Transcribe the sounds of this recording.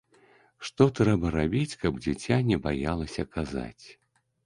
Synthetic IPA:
ʂt̪ɔt̪ɾɛbɐɾabʲit͡sʲkɐbd͡zʲit͡sʲanʲɛbajalˠɐsʲɐkaza̰t͡sʲ

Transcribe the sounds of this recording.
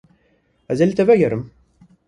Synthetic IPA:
æzælt̪ævæjəɾəm

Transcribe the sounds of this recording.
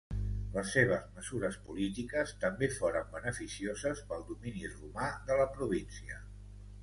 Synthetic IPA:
ləsːeβ̞əzməzuɾəspulit̪ikəst̪əmbefoɾəmbənəfisiozəspəlˠd̪uminirumaðələpɾuβ̞insiə

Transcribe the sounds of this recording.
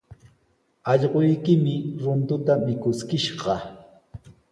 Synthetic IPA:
ɑʎɢojkɪmɪɾʊnt̪ʊt̪amɪkʊskɪʃɢɑ

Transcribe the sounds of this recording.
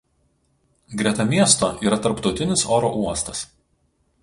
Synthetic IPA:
ɡɾʲɛt̪ɐmʲiɛst̪oːʔiːɾɐt̪ɐɾpt̪ɒʊt̪ʲɪnʲɪsoːɾo̰ʔuɔst̪ɐs

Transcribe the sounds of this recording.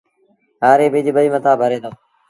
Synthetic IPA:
ɦaːɾeːbʱɪd͡ʒɓəiːmət̪aːbʱəɾeːd̪oː

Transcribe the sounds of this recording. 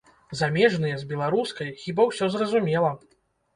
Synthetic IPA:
zamʲɛʐnɨjɛzʲbʲɛlˠaɾuskɐjxʲibawsʲɔzrɐzumʲɛlˠɐ

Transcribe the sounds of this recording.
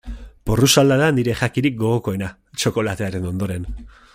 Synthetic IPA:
porusald̪aɾaniɾe̞ʝakiɾik̚ɡo̞ɣ̞o̞ko̞e̞na | t͡ʃo̞ko̞lat̪e̞aɾe̞no̞nd̪o̞ɾe̞n

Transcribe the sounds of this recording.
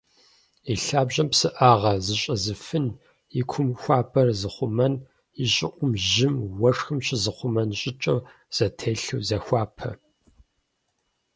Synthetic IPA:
iɬaːbʑɐmpsɨʔaːʁɐzɨɕʼɐzɨfɨn | ɪkʷʰʊmxʷaːpʰʼɐrzɨχʷʊmɐn | iɕʼɪʔʷʼʊmʒɪmwɐʂxɨmɕɪzɨχʷʊmɐnɕʼɪt͡ʃʼɐw | z̥ɐtʰeːɬuwzɐxʷɑːpʰɐ̰

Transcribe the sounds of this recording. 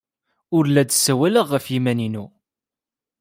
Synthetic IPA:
ʊɾlæd̪sːæwæləʁːəfjimæninu

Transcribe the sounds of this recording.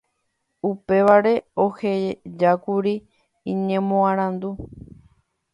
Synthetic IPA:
upe̞ʋaɾe̞o̞he̞d͡ʒakuɾi | ĩɲẽ̞mõãɾ̃ãnd̪u

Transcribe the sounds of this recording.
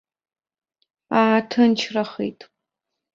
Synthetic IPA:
aːtʰɨnt͡ʃʰrɐχḛjtʰʼ

